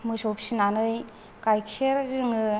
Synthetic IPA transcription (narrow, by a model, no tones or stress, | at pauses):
mɯsɔpsinanɯj | kajkʰeɾzɯŋɯ